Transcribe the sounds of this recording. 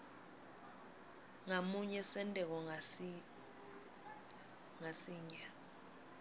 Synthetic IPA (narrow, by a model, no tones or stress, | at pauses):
ŋamuɲɛsɛntʼɛk̬ɔ | ŋasiːɲa